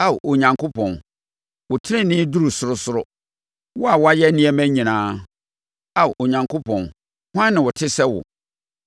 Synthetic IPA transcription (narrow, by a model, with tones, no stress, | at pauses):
a˦˨wʔo˨ɲã˨ŋkʰo˦pʰɔ̃˨n | wʊ˨tʰɪ˦ɾɪ̃˦˨nɪ̃˦du˦ɾu˨sʊ˨ɾʊ˦sʊ˦ɾʊ˦ | wɔ˦a˨wɔ˦a˦jɛ˦nĩ˦ɛ˦mæ̃˦ɲĩ˨nãː˦ | a˦˨ʔo˨ɲã˨ŋkʰo˦pʰɔ̃˨n | hʊ˦ã˦nːɪ̃˨wʊ˨tʰɪ˦sɛ˦wʊ̰˨